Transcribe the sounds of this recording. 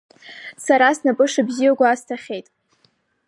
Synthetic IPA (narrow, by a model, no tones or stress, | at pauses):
saɾasnapʼɨʂabzijaɡʷaːstʰaχʲe̞jtʼ